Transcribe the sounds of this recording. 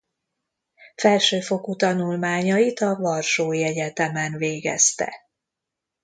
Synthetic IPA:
fɛlʃøːfo̞kut̪ɒnulmaːɲɒjit̪ɒvɒrʃoːjɛɟɛt̪ɛmɛnveːɡɛ̰st̪ɛ̰

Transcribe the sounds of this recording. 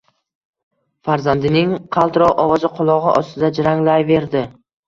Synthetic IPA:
faɾzand̪ɪnɪŋqʰɑlˠt̪ɾɒwʔɒvɒzɪqʰʊlˠɒʁɨ̰ʔɒst̪ɪd̪ad͡ʒɪɾaŋlajve̞ɾd̪ɪ

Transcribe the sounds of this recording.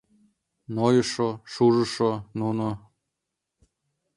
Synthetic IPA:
nojɤʃoʃuʐɤ̆ʃonuno

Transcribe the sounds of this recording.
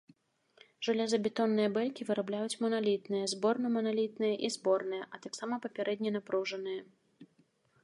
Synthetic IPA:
ʐalʲɛzɐbʲɛt̪ɔnːɨjɛbɛlʲkʲivɨɾablʲajut͡sʲmɔnalʲit̪nɨjɐzbɔrnɐmɐnalʲit̪nɨjɛʔizbɔrnɨjɛʔɐt̪aksamɐpɐpʲɛɾʔɛd̪ʲnʲinapɾuʐɐnɨjɐ

